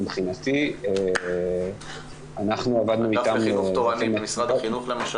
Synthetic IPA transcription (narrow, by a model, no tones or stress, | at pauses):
bχinat̪ie | anaχnuavad̪nuit̪amoammisʁadχinuχlemaʃ